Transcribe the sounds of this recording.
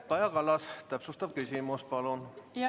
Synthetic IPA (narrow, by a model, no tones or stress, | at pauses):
ɑjɑkɑlːɑst̪æpsust̪ɑb̥̚kysʲimuspɑlun